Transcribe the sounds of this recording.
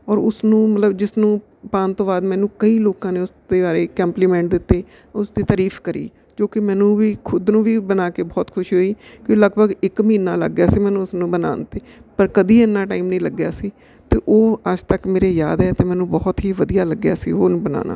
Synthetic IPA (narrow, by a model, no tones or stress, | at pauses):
ɔːɾʊsnũːmət̪ləbd͡ʒɪsnũː | pãːnt̪õːbaːd̪mɛːnũːkəiːloːkãːneːʊsd̪eːbaːɾeːkəmpliːmɛ̃ːɳʈ̚d̪ɪt̪ːeː | ʊsd̪iːt̪aːɾiːfkəɾḭː | d͡ʒoːkɪmɛːnũːʋiːkʰʊd̪nũːʋiːbənaːkeːbɔːt̪kʰʊʃɦoːiːkõləɡbəɡɪkmĩːnãːlə̰ɡjaːsiːmɛːnũːʊsnũːbəna̰ːnt̪eːpəɾkəd̪iːɛnːãːʈaːɪːmnĩːləɡjaːsiː | t̪eːʔoːəd͡ʒt̪əkmeːɾeːjaːd̪ɛːt̪eːmɛ̃ːnũːbɔːt̪ɦiːʋəd̪ijaːləɡːjaːsḭːoːnũːbəna̰ːnʔa̰ː